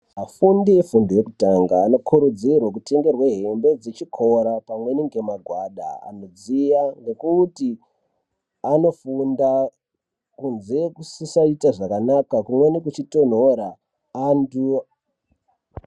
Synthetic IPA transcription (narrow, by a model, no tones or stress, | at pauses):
ɦafundiefunduje̞kutaŋɡaːno̞kʰuɾud͡zirwak̬ute̞ŋɡe̞rweɦe̞mbe̞d͡zet͡ʃikʰo̞ɾapamwe̞niŋɡe̞maɡʱwaɗa̰a̰no̞d͡zijaŋɡe̞kuti | ano̞funda | kunze̞kusisaitaʐakanakakumwe̞nik̬ut͡ʃito̞n̤o̞ɾa | antu